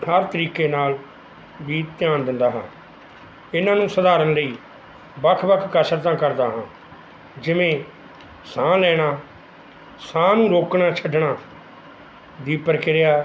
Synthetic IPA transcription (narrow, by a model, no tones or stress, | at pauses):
ɦəɾt̪əɾiːkeːnaːl | biːt̪ɪjaːnd̪ɪ̃nd̪aːɦãː | ɪnãːnũːsəd̪aːɾənləiː | bəkʰbəkʰkəsəɾt̪̬ãːkəɾd̪aːɦãː | d͡ʒɪʋẽː | sãːlɛːɽ̃aː | sãːnũːɾoːkɳaːt͡ʃʰəɖɳaː | d̪iːpəɾkɪɾejaː